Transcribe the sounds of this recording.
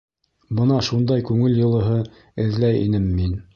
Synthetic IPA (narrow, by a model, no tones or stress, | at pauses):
bɤnɑʃund̪ɑjkʉŋɘljɤ̆lˠɤ̆ɦɤ | ɘ̆ðlæjḭnɘmːin